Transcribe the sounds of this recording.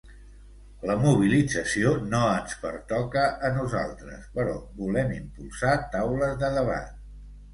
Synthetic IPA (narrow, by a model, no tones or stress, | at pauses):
ləmuβ̞ilid͡zəsionoənspə̰ɾt̪ɔkəːnuza̰lˠt̪ɾə̰spəɾɔβulɛmimpulˠsat̪awləzðəðəβa̰t̪̚